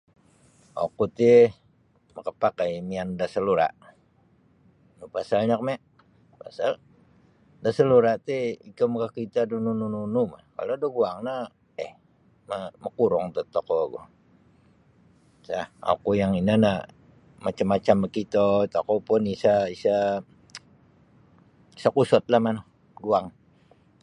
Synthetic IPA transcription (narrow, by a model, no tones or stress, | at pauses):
o̰kut̪i | məkəpakajmiandasəluɾa̰ʔ | nupasalɲakəmɛʔ | pa̰sal | dasəluɾaʔt̪iikəmkakit̪adununununuma̰hka̰lodoɡuaŋna | ɛh | mamakuɾɔŋt̪ot̪okoɡo̰ | saha̰kujaŋinana | mat͡ʃamːat͡ʃamakit̪ot̪akopʊnisaisa | isakusɔt̪̚lahmano | ɡuaŋ